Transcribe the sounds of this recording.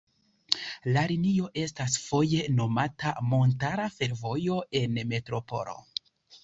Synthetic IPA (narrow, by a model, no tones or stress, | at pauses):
laɾinio̞ʔe̞stasfo̞je̞no̞matʰamo̞ntaɾafe̞ɾvo̞jo̞e̞nme̞tɾo̞po̞̰lo̞̰